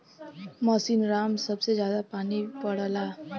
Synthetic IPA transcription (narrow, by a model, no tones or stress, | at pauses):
mɔsiːnɾaːmsɐbsezjaːd̪apaːnipəɽəlaː